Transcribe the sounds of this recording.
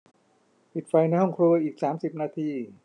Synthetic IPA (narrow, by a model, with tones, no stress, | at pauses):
pʰi˨t̪̚fa˧jna˧jhɔ˥˩ŋkʰɾu˧ʔiː˨˩k̚saː˩˦msi˨˩p̚naː˧t̪ʰiː˧